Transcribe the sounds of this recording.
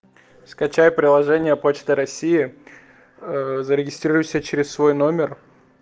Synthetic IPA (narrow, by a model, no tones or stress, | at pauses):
skɐt͡ɕajpɾʲɪlˠɐʐɛnʲɪjəpot͡ɕt̪ɨɾɐsʲijɪ | zəɾʲɪɡʲɪst̪ɾʲiɾʊjsʲət͡ɕɪɾʲɪsvo̞jno̞mʲɪr